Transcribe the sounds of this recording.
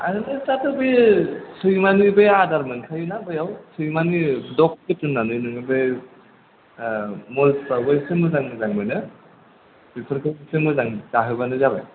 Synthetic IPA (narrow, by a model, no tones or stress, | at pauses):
a̰nɯnɯsatɯbejsɯjmanibɯjadaɾmɯnkʰajɯnabɯjawsɯjmanidɔk̚kɯtɯnːanɯjnɯŋɯbɯj | mɔlpaɡɯjsɯmbɯzaŋnɯzaŋmɯjnɯ | sipʰɯɾkʰɯɯsɯmbɯzaŋtaɦɯbanɯzaba̰j